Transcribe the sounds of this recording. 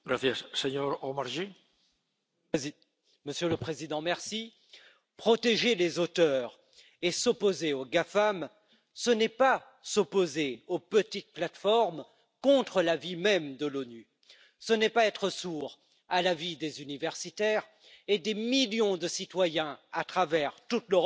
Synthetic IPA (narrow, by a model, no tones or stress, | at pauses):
ɡɾaθjɛssɛɲɔɾɔmaʁʒi | məsjøləpχezid̪ɑ̃mɛʁsi | pχɔt̪eʒelezot̪œʁ | esopozeoɡafam | sənɛpa | sopozeopət̪it̪̚plat̪fɔʁm | kɔ̃t̪χəlavimɛmd̪əlony | sənɛpaɛt̪χəsuʁ | alavid̪ezynivɛʁsit̪ɛʁ | ed̪emiljɔ̃d̪əsit̪wajɛ̃at̪χavɛʁt̪ut̪ləʁɔ